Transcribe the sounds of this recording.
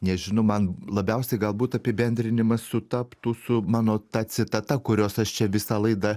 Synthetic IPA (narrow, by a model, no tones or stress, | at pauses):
nʲɛʒʲɪnɐʊmɐnlˠɐbʲɛʊsʲɛɡɐlˠbuːt̪ɐpʲɪbʲɛnʲd̪ʲɾʲɪnʲɪmɐssʊt̪ɐpt̪uːsʊmɑːnoːt̪ɐt̪sʲɪt̪ɐt̪ɐkʊɾʲoːsɐʃt͡ʃʲɛʋʲɪsɐlˠɐɪd̪ɐ